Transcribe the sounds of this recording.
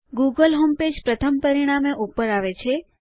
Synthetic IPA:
ɡuɡəlɦomped͡ʒpɾət̪ʰəmpəɾiɽ̃ameʔupəɾaʋet͡ʃʰe

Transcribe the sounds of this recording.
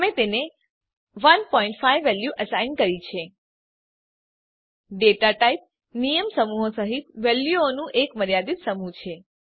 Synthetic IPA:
mẽt̪ene | ʋənpɔ̃ĩɳʈfajʋːɛljuʔəsainkəɾit͡ʃʰe | ɖeʈaʈaip̚ | nijəmsəmuɦosəɦit̪ʋɛljuonũʔekməɾjad̪it̪səmut͡ʃʰe

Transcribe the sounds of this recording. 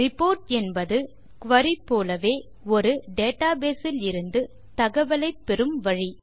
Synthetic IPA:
ɾɪpoːɾʈɛnbɐðɯ | kʋɐɾipːoːlɐʋeː | ɔɾɯɖeːʈaːbeːsɪlɪɾɯnd̪ɯ | t̪ɐɣɐʋɐlɐɪpːɛɾɯmʋɐɻi

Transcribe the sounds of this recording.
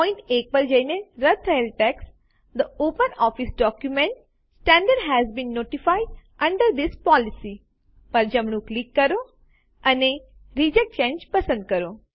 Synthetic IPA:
pɔ̃ɪ̃ɳʈeːk̚pɐɾd͡ʒəjneɾət̪ʰəjəlʈɛks | d̪əoːpənɔfisɖɔkjumẽɳʈ | sʈæ̃ɳɖəɾɖɦæzbĩnːoːʈifaɪɖʔɐ̃ɳɖəɾd̪ispɔlisi | pɐɾd͡ʒɐmɽ̃ũklikːəɾo | ʔɐneɾid͡ʒek̚ʈt͡ʃẽːnd͡ʒpɐsə̃nd̪̚kəɾo

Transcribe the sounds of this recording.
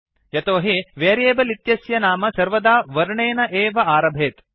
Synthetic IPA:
jɐt̪oːɦiʋeːɾeːbɐlit̪jɐsjɐnaːmɐsɐɾʋɐd̪aːʋɐɾɳeːnɐʔeːʋɐaːɾɐbʱeːt̪

